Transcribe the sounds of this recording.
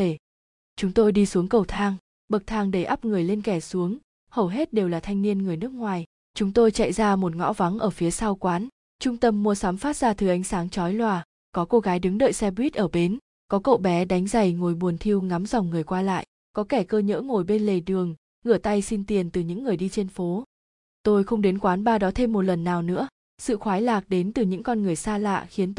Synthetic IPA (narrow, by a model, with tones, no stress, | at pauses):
e˧˩ | t͡ɕʊ˨˦ŋ͡mt̪o˧jɗi˧su˨˦əŋkə˨˩wt̪ʰaː˧ŋ | ɓə˨˩k̚t̪ʰaː˧ŋɗə˧˩jʔa˦˥p̚ŋɨ˨˩əjle˧nkɛ˧˩su˨˦əŋ | hə˨˩wɦe˦˥t̚ɗe˨˩wlaː˨˩t̪ʰa˧jŋ̟ni˧ənŋɨ˨˩əjnɨ˦˥ək̚ŋwaː˨˩j | t͡ɕʊ˨˦ŋ͡mt̪o˧jt͡ɕa̰˧˨jzaː˧mo˨˩t̚ŋɔ̰˧˥va˨˦ŋʔəː˧˩fi˨˦əsaː˧wkwaː˨˦n | t͡ɕʊ˧ŋ͡mt̪ə˧mːu˧əsaː˨˦mfaː˦˥t̚z̥aː˧t̪ʰɨ˨˩ʔa˨˦jŋ̟saː˨˦ŋt͡ɕɔ˨˦jlwaː˨˩ | kɔ˨˦ko˧ɣaː˨˦jɗɨ˨˦ŋɗə̰˧˨jsɛ˧ɓwi˦˥t̚ʔəː˧˩ɓe˨˦n | kɔ˨˦kə̰˧˨wɓɛ˨˦ɗa˨˦jŋ̟za˨˧˩jŋo˨˩jɓu˨˩ənt̪ʰi˧əwŋa˨˦mzɔ˨˩wŋ͡mŋɨ˨˩əjkwaː˧la̰ː˧˨j | kɔ˨˦kɛ˧˩kəː˧ɲə̰ː˧˥ŋo˨˩jɓe˧nle˨˩ɗɨ˨˩əŋ | ŋɨ˧˩ət̪a˧jsi˧nt̪i˨˩ənt̪ɨ˨˩ɲɨ̰˧˥ŋːɨ˨˩əjɗi˧t͡ɕe˧nfo˨˦ | t̪o˧jxə˧wŋ͡mɗe˨˦nkwaː˨˦nɓaː˧ɗɔ˨˦t̪ʰe˧mːo˨˩t̚lə˨˩nːaː˨˩wnɨ̰˧˥ə | sɨ̰˧˨xwaː˨˦jlaː˨˩k̚ɗe˨˦nt̪ɨ˨˩ɲɨ̰˧˥ŋkɔ˧nŋɨ˨˩əjsaː˧la̰ː˧˨ʔxi˨˦ənt̪